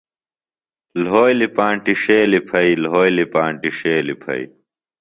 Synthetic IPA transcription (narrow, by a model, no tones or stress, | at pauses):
lɦoːjlipãːɳʈiʂeːlipʰɐilɦoːjlipãːɳʈiʂeːlipʰɐ̰ḭ